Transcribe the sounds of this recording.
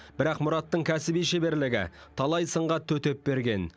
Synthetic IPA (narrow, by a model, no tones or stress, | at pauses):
b̥ɪɾɑqmʊɾɑt̪ːəɴkʲʰæsɪbijʃebe̞ɾlɪɡʲɪ̰t̪ʰɑlˠɑjsəɴʁɑt̪ʰɵt̪e̞p̚be̞ɾɡʲe̞n